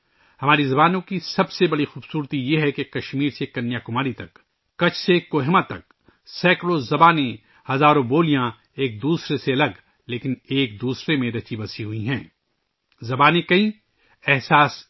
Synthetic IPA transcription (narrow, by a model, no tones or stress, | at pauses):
hɐmaːɾizɐbaːnõkisɐbsebɐɽixuːbsuːɾt̪ijeɦɛkekɐʃmiːɾsekɐnːjakʊmaːɾit̪ɐkː | ɐt͡ʃʰsekoːɦemãt̪ɐk | sɛːkɽozɐbaːne | hɐzaːɾõboːlijã | eːk̚d̪uːsɾeseɐlɐɡ | leːkɪneːk̚d̪uːsɾemẽɾɐt͡ʃibɐsiɦuiɦɛ̃ː | zɐbaːnekɐĩ | ɛɦsaːs